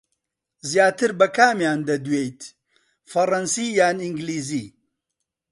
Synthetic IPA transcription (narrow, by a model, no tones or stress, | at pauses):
zjaːt̪ɨɾbɐkʰaːmjaːnd̪ɐd̪wejt̪ | fɐrˤɐnsiːjaːniŋɡliːziː